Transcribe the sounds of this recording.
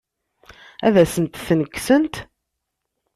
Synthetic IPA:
æðæsənt̪θnəkːsənt̪

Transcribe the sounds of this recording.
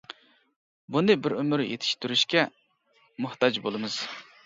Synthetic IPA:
bunɨbɪɾymyɾjḛt̪ʰɪ̥ʃt̪yɾyʃkʲɛ | mʊht̪ɑd͡ʒbolˠɨmɨz̥

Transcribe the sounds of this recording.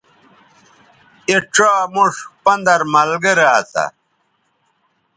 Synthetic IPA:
eʈ͡ʂaːmuʂpɐnd̪ɐɾmɐlɡəɾaːt̪a̰

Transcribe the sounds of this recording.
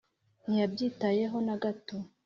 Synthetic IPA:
nijabɟiːtaje̞ɦo̞naɡato

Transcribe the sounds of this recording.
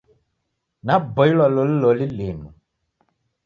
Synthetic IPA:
nabɔilwalɔlilɔlilimu

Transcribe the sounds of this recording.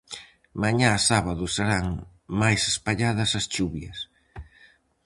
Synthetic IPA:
maɲaːsaβaðʊseɾaŋ | majsespaʎaðɐsɐst͡ʃuβjɐs

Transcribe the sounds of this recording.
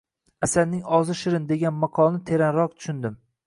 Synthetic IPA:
asalnɪŋɒzɪʃɪɾɪnd̪e̞ɡʲanmaqʰɒlˠnɪt̪ʰe̞ɾanɾɒq̚t̪ʰʊ̥ʃʊnd̪ɪm

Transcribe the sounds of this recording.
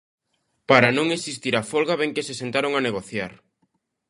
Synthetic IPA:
paɾanõŋesist̪iɾafolɣaβeŋkesesent̪aɾoŋaneɣ̞oθjaɾ

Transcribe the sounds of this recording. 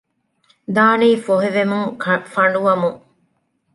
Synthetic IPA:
d̪aːniːfoɦeʋemuŋfɐɳɖuʋɐmuŋ

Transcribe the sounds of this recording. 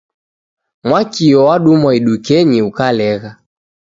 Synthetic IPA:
mwakiɔwaɗumaiɗukɛɲiukalɛɣa

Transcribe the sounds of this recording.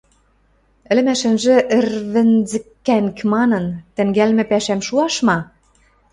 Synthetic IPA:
ɘ̆lɘ̆mæʃɘ̆nʒĕʔɘ̆rβɘ̆nzɘ̆kːæŋkmɑnɤ̆nt̪ɘ̆ŋɡælmɘ̆pæʃæmʃuɑʃmɑ

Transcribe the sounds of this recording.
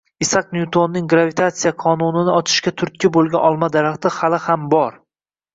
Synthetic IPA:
ɪsaqnjut̪ʰonːɪŋɡɾavit̪ʰat̪sijaqʰɒnʊnɪnɪɒt͡ʃʰɪ̥ʃkʲat̪ʰʊɾt̪̚kʲɪbolˠɡʲanʔɒlˠmad̪aɾaχt̪ɪhalɪhambɒɾ

